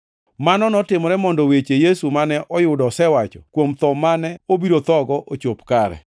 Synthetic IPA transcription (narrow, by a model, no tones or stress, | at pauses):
manɔnɔtɪmɔɾɛmɔndɔwet͡ʃejesumanɛʔɔjʊdɔsɛwat͡ʃɔkwomt̪ɔmanɛobiɾot̪ɔɡɔʔot͡ʃopkaɾɛ̰